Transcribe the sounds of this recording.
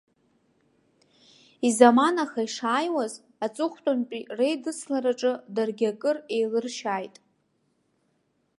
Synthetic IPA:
izamanaχaiʂaːjwaz | at͡sʼʊχʷtʼonpʼire̞jdɨsʰlaɾaʈ͡ʂʼɨdarɡʲakʼɨre̞jlɨrʃaːjtʼ

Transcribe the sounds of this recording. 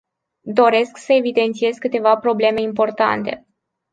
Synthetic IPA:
d̪o̞ɾe̞sksəe̞vid̪e̞nt̪sije̞zkɨt̪e̞vapɾo̞ble̞me̞impo̞rt̪a̰nt̪e̞̰

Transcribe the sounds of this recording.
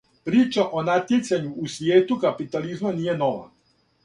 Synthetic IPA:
pɾiːt͡ʃaʔo̞nat̪jesaɲuːsʋjeːt̪ukapit̪alizmaniːje̞no̞ʋa̰

